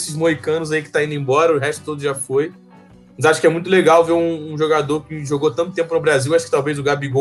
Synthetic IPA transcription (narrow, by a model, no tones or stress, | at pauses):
sɪzmoɦikɐ̃nʊzaikɪ̥t̪aĩd̪ẽbɔɾɐʊɦɛʃt̪ʊ̥t̪od̪ʊʒafoj | mɐzaʃʊ̥kɪɛmũj̃t̪ʊleɡawveɾũːʒoɡad̪oɾkɪʒoɡowt̪ɐ̃t̪ʊt̪ẽmpʊpɾʊbɾaziwaʃʊkɪt̪awvejzʊɡabiɡo